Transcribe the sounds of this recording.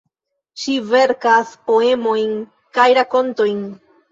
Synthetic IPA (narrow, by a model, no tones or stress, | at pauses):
ʃive̞ɾkaspo̞e̞mo̞jn | kajɾako̞nto̞jn